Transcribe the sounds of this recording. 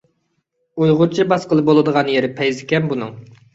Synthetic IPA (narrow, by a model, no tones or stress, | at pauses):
ujʁʊɾt͡ʃʰibɑsqəlˠɨbolˠɨd̪əʁɑnjeɾɪpʰɛjzɪkʲɛnbunɨ̰ŋ